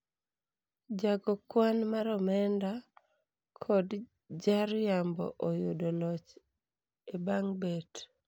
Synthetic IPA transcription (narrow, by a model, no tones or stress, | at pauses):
d͡ʒaɡɔkwanmaɾɔmɛnda | kʰɔd | d͡ʒaɾjambɔ̰ʔojʊdonɔt͡ʃ | ebaŋbet